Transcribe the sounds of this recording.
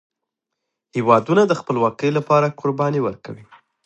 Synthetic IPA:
hewɑd̪unad̪əxpəlwɑkəjlapɑɾakʊɾbɑniwəɾka̰wi

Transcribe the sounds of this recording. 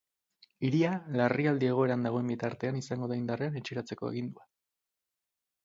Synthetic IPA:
iɾialariald̪ie̞ɣ̞o̞e̞ɾand̪aɣ̞o̞e̞mbit̪aɾt̪e̞anisaŋɡo̞ð̞aind̪areane̞t͡ʃiɾat͡se̞ko̞e̞ɣind̪ua

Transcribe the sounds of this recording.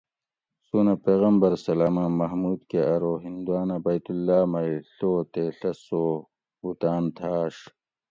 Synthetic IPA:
suːnapeːɣɐmbɐɾsɐlaːmamɐɦmuːd̪keɐɾoːɦind̪uaːnɐbɐjt̪ulːaːmɐjɬoːt̪eɬɐsoː | ut̪aːnt̪ʰaːʂ

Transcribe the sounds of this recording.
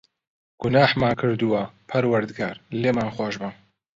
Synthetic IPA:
ɡ̥ʊnaːħmaːkʰɨɾd̪uwapʰɐɾwɐɾd̪ɡaːɾleːmanxoːʒbɨm

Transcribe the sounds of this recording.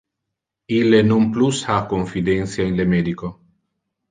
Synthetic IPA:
ilːenomplushakoɱfid̪ɛnt̪sjainlemeːd̪iko

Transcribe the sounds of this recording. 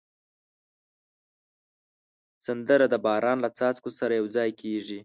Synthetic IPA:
sand̪əɾad̪əbɑɾʔɑnlat͡sɑt͡skosaɾajawd͡zɑjkʰeʐi

